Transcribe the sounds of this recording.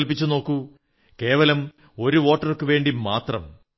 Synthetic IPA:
lpit͡ɕːuno̞ːkːu | ke̞ːʋɐlɐm | o̞ɾuʋo̞ːʈːɐrkːɨʋe̞ːɳɖimaːt̪rɐ̰m

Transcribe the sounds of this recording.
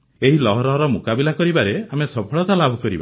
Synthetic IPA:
eɦilɔɦɔɾɔɦɔɾɔmukabilakɔɾibaɾeamesɔpʰɔɭɔt̪alabʱɔkɔɾḭba̰

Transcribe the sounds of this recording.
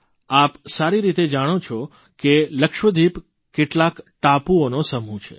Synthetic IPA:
apsaɾiɾit̪ed͡ʒaɽ̃ot͡ʃʰo | keləkʃʋəd̪ʱip | keʈlakʈapuonosəm̤ũt͡ʃʰḛ

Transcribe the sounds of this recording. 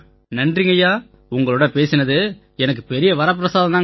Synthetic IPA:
nɐndriːŋɡɐjaː | ʊŋɡɐɭoːɽɐpeːsɪnɐðɯ | ɛnɐk̬ːɯpɛɾɪjɐʋɐɾɐp̬ːɪɾɐsaːðɐnaːŋ

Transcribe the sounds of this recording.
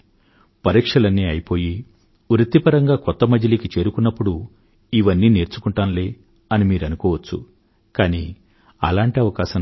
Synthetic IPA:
pɐɾiːkʂɐlɐnːiːɐjipo̞ːji | uɾut̪ːipɐɾɐŋɡaːkɔt̪ːɐmɐd͡ʒɐlikit͡ʃe̞ːɾukunːɐpːuɽu | iʋɐnːiːne̞ːɾt͡ʃukuɳʈaːnle̞ː | ɐnimiːɾɐnukɔːʋɐt͡ʃːṵ | kaːniː | ɐ̰laːɳʈiɐʋɐkaːʃɐ

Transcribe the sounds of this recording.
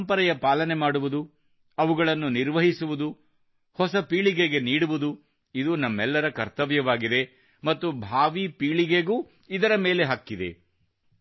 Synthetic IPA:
mpɐɾɛjɐpaːlɐne̞maːɽuʋud̪u | ɐʋuɡɐɭɐnːuniɾʋɐɦisuʋud̪u | hɔsɐpiːɭiɡeɡe̞niːɽuʋud̪u | id̪unɐmːɛlːɐɾɐkɐɾt̪ɐʋjɐʋaːɡid̪e̞ | mɐt̪ːubʱaːʋipiːɭiɡeɡuː | id̪ɐɾɐme̞ːle̞ɦakːid̪e̞̰

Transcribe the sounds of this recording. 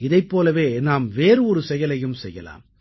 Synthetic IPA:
ɪðɐɪpːoːlɐʋeːnaːmʋeːɾɯɔɾɯsɛjɐlɐjɯmsɛjːɐ̰la̰ːm

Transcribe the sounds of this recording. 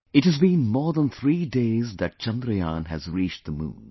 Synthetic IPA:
ɨthɨzbĩːnmɔːɹðə̃nt̪ʰɾiːdeɪzðɨt̚t͡ʃʌ̃nd̪ɾəjãːnɨzɹit͡ʃ̚ðəmṵ̃ːn

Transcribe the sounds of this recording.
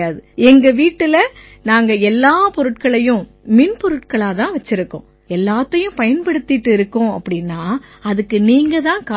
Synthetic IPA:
aːðɯɛŋɡɐʋiːʈːɯlɐ | naːŋɡɐɛlːaːpɔɾɯʈkɐɭɐjʊ̃ | mɪnpɔɾɯʈkɐɭaːt̪ãːʋɐt͡ʃːɪɾɯkːʊ̰̃ | ɛlːaːt̪ːɐjʊ̃pɐjɐnpɐɽɯt̪ːɪʈːɯɪɾɯkːʊ̃ɐ̰pːɐɽɪnːaːɐðɯkːɯniːŋɡɐt̪ãːkaː

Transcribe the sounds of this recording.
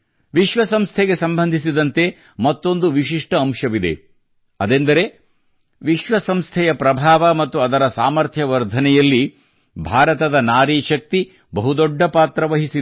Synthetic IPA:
ʋiʃʋɐsɐmst̪ʰɛɡe̞sɐmbɐnd̪ʱisid̪ɐnt̪e | mɐt̪ːo̞nd̪uʋiʃiʂʈɐːmʂɐʋid̪e̞̰ | ɐd̪end̪ɐɾe̞ | ʋiʃʋɐsɐmst̪ʰɛjɐpɾɐbʱaːʋɐmɐt̪ːuɐd̪ɐɾɐsaːmɐɾt̪ʰjɐʋɐɾd̪ʱɐnɛjɐlːi | bʱaːɾɐt̪ɐd̪ɐnaːɾiːʃɐk̚t̪i | bɐɦud̪ɔɖːɐpaːt̪ɾɐʋɐɦisi

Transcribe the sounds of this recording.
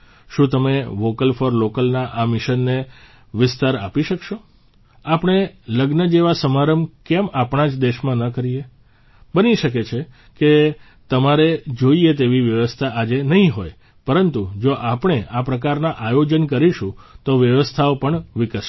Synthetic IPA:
ʃũt̪əmeʋokəlfəɾlokəlnaʔamɪʃənːe | ʋɪst̪aɾapiʃəkʃo | apɳ̃eləɡnəd͡ʒeʋasəmaɾəmkemapɳ̃ad͡ʒd̪eʃmãnəkəɾie | bəniʃək̬et͡ʃʰe | ke | t̪əmaɾed͡ʒoiet̪eʋiʋjəʋəst̪ʰaad͡ʒenəɦĩɦoj | pəɾənt̪ud͡ʒoʔapɳ̃eʔapɾəkaɾnaʔajod͡ʒənkəɾiʃũt̪oʋjəʋəst̪ʰaopəɳʋɪkə

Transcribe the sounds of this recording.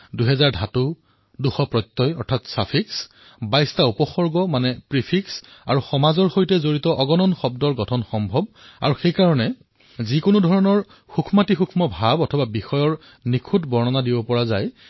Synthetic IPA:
duɦɛzaɹdʱatu | duxɔpɹɔjtːɔjɔɹtʰatsapʰiks | bajstaupɔxɔɹɡɔmanɛpɹipʰiksa̰ɹuxɔmazɔɹxojtɛzoɹitɔʔɔɡɔnɔnxɔb̚dɔɹɡɔtʰɔnxɔmbʱɔb̚a̰ɹuxejkaɹɔnɛ | zikʊnudʱɔɹɔnɔɹ | xukʰumatixukʰmɔbʱabɔtʰɔbabixɔjɔɹ | nikʰutbɔɹnɔnadibɔpɔɹazaj

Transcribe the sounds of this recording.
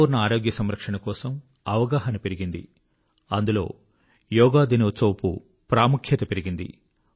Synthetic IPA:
uɾnɐaːɾoːɡjɐsɐmɾɐkʂɐɳɐkɔːsɐm | ɐʋɐɡaːɦɐnɐpe̞ɾiɡind̪ḭ | ɐnd̪ulo̞̰ː | jɔːɡaːd̪inɐsɐːpṵ | pɾaːmukʰjɐt̪ɐpeɾiɡind̪ḭ

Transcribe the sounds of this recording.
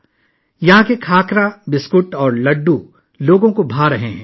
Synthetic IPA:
jɐɦãkekʰaːkɾabɪskʊʈɔːɾlɐɖːu | loːɡõkobʱaːɾɐɦeɦɛ̰̃ː

